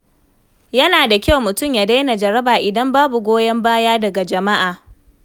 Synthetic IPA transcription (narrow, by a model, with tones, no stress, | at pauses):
jɐ˦naː˨da˨kʲa˦wmʊ˨tʊ˦˨mjaː˨da˦jna˨d͡ʒɐ˨ɾɐ˦baː˨ʔɪ˨dɐ˦mbaː˦bu˨ɡʷoː˦jɐ˦mbaː˦jaː˦dɐ˨ɡa˨d͡ʒɐ˨ma˦ʔaː˨